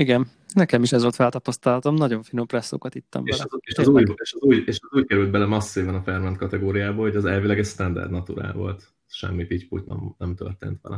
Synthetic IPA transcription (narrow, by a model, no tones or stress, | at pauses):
iɡɛn | nɛkɛmiʃɛzʋolt̪fɛlt̪ɒpɒst̪ɒlhɒt̪o̞mnɒɟo̞ɱfino̞mprɛsːo̰ːkɒt̪it̪ːɒ̰mbeɛʃeʃzuːjeʃzuːɟeːʃɛzuːckɛɾylt̪̚bɛlɛmɒsːivɒnɒfɛrmɛnt̪kɒt̪ɛɡoːɾijaːboːhoɟɒzɛlvilɛɡɛcst̪ɛnd̪ɛ̰rd̪nɒt̪ṵɾa̰ːlvo̞̰lt̪ | ʃɛ̰mːipicpṵcnɛ̰mnɛmt̪ø̰rt̪ḛːnt̪ʋɛ̰lʔɛ